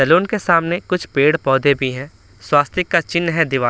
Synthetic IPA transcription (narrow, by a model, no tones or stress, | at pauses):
ɐluːnkesaːmnekʊt͡ʃʰpeːɽpɔːd̪ʱebʱiɦɛ̃ː | swaːst̪ʰɪkːat͡ʃɪnːɦɛ̃d̪ɪʋaː